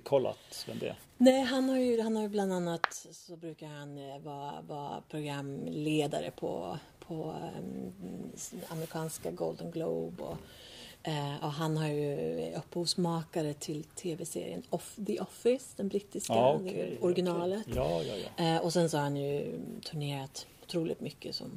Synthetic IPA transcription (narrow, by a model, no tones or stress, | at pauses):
kʰɔlːa̰t̪vɛ̰md̪ɛ̰ | nɛɪɦanhaɾjɵhanhaɾjɵbland̪anːat̪sɔbɾʉ̟ːkahanvɑːɾ̰vɑ̰ːpʰɾʊɡɾamleːd̪a̰ɾə̰pʰɔ̰ | pʰɔ | a̰mɾɪkʰɑːnskaɡold̪ənɡlo̰ːbɔ̰ | ɔɦanɦaɾjɵɵpːhuːsmɑːkaɾət̪ʰɪlt̪ʰeːvɛsḛːɾɪ̰ə̰nɔfd̪ɛʔɔfɪsd̪ɛnbɾit̪ːɪskad̪ɛɔɾɡɪnɑːlət̪ː | ɔsɛnsɔhaɾhanjɵt̪ʰɵɳeːɾat̪ʊ̥t̪ʰɾuːlɪ̰t̪mʏkːəsɔ̰m